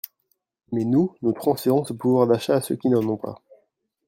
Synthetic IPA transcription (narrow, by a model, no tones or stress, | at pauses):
mɛnunot̪χɑ̃sfeʁɔ̃səpuvwaʁd̪aʃaːsø̰kʲinɑ̃nɔ̃pa̰